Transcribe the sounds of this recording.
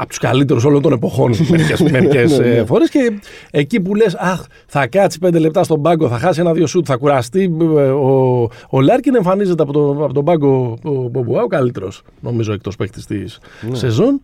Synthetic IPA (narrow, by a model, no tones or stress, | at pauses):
ɐ̰po̥t̪u̥skɐ̰lit̪e̞ɾus̬o̞lont̪o̞ne̞po̞xo̞nmecesmesfo̞ɾesce̞ːcip̬ulesɐx | θɐkɐt͡si̥pend̪e̞le̞p̚t̪ɐst̪o̞bɐɡo̞θɐxɐsie̞nɐðjo̞sut̪θɐkuɾɐst̪ioolɐɾcine̞ɱfɐnizet̪eɐpot̪oɐpot̪o̞bɐɡopobuɐokɐlit̪e̞ɾo̞̰s | no̞mizoe̞k̚t̪o̞spekt̪i̥st̪isse̞zo̞n